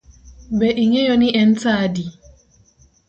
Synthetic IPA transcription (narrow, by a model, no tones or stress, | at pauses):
bɛʔiŋejɔniʔɛn̩t͡saːdi